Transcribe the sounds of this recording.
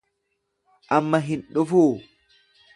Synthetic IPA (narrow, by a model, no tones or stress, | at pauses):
ʔɐmːɐɦɪnɗʊfuː